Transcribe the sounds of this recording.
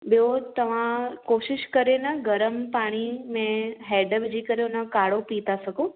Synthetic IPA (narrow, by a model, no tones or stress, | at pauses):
ɓijot̪ɐʋ̤ãkoːʃɪʃkɐɾenɐɡɐɾəmpaːɽ̃imẽɦɛːɖəʋɪd͡ʑikɐɾeʊnə̆kaːɽopiːt̪asɐɡʱõ